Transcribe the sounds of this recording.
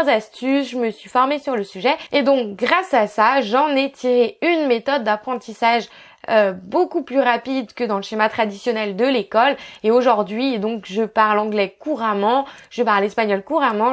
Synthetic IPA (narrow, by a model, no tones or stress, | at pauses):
zast̪ysʒəməsɥifɔʁmesyʁləsyʒɛed̪ɔ̃k̚ɡʁasasaʒɑ̃net̪ʰiʁeynmet̪ɔd̪ːapχɑ̃t̪isaʒ | øbokuplyʁapid̪kəd̪ɑ̃ləʃemat̪χad̪isjɔnɛld̪əlekɔleoʒuʁd̪ɥid̪ɔ̃kʒəpaʁlɑ̃ɡlɛkuʁamɑ̃ʒ̥əpaʁlɛspaɲɔlkuʁamɑ̃